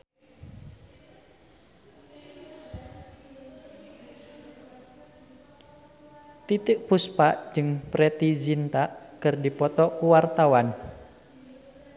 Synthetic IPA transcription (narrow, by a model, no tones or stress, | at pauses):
t̪it̪ɪʔ̚puspaʔd͡ʒɨŋpɾɛt̪izint̪aʔkɨrdipɔt̪ɔkuwart̪awan